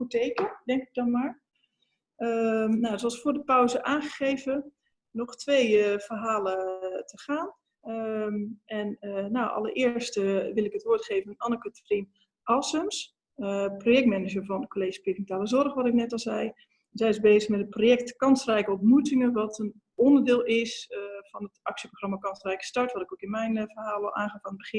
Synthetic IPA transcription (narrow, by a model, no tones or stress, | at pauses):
xutejkədɛŋkɪɡ̚dɔnmaːɹ | əmnawzoɑlˠsfʊːɹdəpœwzəʔaːnχəχejvə | nɔχtʋejv̥ərɦaːlətəχaːn | mɛnnawʔɑ̰lə̰rʔɪːəɹstʋɪlˠɪkɦətʋʊːɹtχejvənnɑnəkətə̥frin | ʔɔsəms | projɛkt̚mɛnəd͡ʒəvɔnkoleːʒisprivmntaːləzɔrχʋɔtɪknɛtɔlˠzɛj | nz̥ɛjɪzbeːzəχmɛtətprojɛk̚tkɑnsrɛjkəɔmtmutɪŋənʋɔtən | ɔndəɹdɪːlˠɪsfɔnətʔɑksjəproxrɑmakɑnsrɛjkə̥stɑɹtʋɔtɪkokɪnmɛjnvərɦaːlˠɔlˠʔaːnχaːfanəbəχɪn